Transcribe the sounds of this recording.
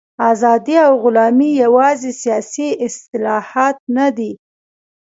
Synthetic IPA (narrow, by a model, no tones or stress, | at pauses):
ɑzɑd̪iawɣʊlɑmijawɑzesijɑsiɪst̪ɪlɑhɑt̪̚nad̪i